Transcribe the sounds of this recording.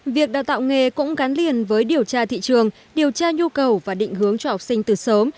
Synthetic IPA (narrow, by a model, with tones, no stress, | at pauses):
vi˨˩ək̚ɗa̰ː˧˨wt̪a̰ː˧˨wŋe˧˩kʊ̰˧˥ŋ͡mɣa˨˦nli˨˩ənvəː˨˦jɗi˨˩əwt͡ɕaː˧t̪ʰḭ˧˨t͡ɕɨ˨˩əŋ | ɗi˨˩əwt͡ɕaː˧ɲu˧kə˨˩wvaː˨˩ɗḭ˧˨ŋ̟hɨ˨˦əŋt͡ɕɔ˧ha˨˩wk͡p̚si˧ŋ̟t̪ɨ˨˩səː˨˦m